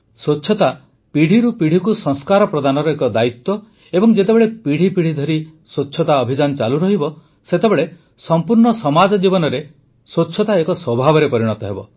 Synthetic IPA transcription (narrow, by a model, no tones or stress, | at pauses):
swot͡ʃːʰɔt̪a | piɽ̤ʱiɾupiɽ̤ʱikusɔŋskaɾɔpɾɔd̪anɔɾɔekɔd̪ait̪wɔ | ebɔŋd͡ʒet̪ebeɭepiɽ̤ʱipiɽ̤id̪ʱɔɾisot͡ʃːʰɔt̪aɔbʱid͡ʒanɔt͡ʃa̰luɾɔɦibɔ | set̪ebeɭe | sɔmpuɾɳɔsɔmad͡ʒɔd͡ʒibɔnɔɾe | sotːʃʰɔt̪aekɔswɔbʱabɔɾepɔɾiɽ̃ɔt̪ɔɦebɔ